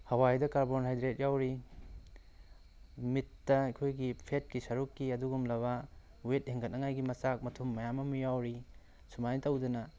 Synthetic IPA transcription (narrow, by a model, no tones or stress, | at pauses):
hɐwajdɐkaɾbonɦajdɾet̚jawɾi | mitːɐɐjkʰojɡipʰet̚kisɐɾukːiɐduɡumlɐβɐ | wet̚heŋɡʰɐt̚nɐŋajɡimɐsak̚mɐtʰumːɐjamɐmɐjawɾi | sumanitɐwdɐnɐ